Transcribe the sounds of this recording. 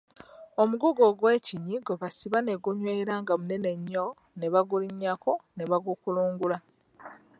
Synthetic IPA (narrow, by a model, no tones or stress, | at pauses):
o̞muɡuɡo̞ɡwe̞ːciɲiɡoβasiβane̞ɡuɲweɾaːŋɡamune̞ne̞ɲːo | ne̞βaɡuliɲːako̞neβaɡukuluːŋɡula